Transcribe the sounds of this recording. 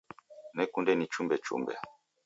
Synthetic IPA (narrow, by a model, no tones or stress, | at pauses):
nɛkundɛnit͡ʃumbɛt͡ʃṵmbɛ̰